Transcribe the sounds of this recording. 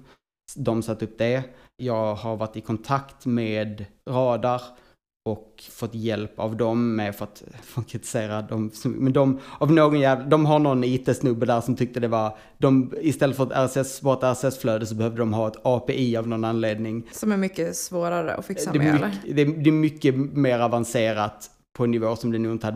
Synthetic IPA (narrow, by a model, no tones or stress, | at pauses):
d̪ɔmsat̪ːɵp̚ːd̪ɛjɑːɡhaɾvaʈːɪkʰɔnt̪ʰakt̪mɛeːd̪ɾɑːd̪aɾ | ɔkfɔt̪ːjɛlpavd̪ɔmːɛfœɾat̪fɔkʰɾɪt̪ɪ̥seːɾad̪ɔmsɔmɛnd̪ɔmavnoːɡɔnjæːvd̪ɔmɦanɔnːiːt̪əsnɵbːəd̪æːɾʂɔmt̪ʰʏk̚t̪əd̪ɛvaɾ | d̪ɔmɪst̪ɛlːət̪fəɾat̪æɾsɛsvɑːɾt̪æɾsɛsfløːd̪əs̬ɔbɛhœvd̪əd̪ɔmɦɑːɛt̪ɑːpeːʔiːavnɔnanleːd̪nɪŋsɔmæɾmʏkːəsvoːɾaɾə̰ɔ̰fɪksd̪ɛd̪ɛd̪ɛmʏkːəmeːɾavanseːɾat̪ | pʰɔɛnːɪvoːsɔmd̪ɛnuːɪnt̪əhad̪